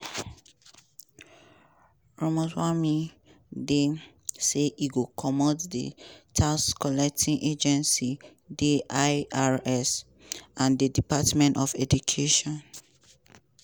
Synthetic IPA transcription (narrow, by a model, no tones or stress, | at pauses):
ɹɔmɔswami | de | seʔiɡokʰɔmɔddḛtʰaskɔlɛk̚tʰĩnʔed͡ʒɛ̃nsi | deʔaaɹɛs | ãndedipatmɛ̃ntɔfɛdukʰeʃɔ̃n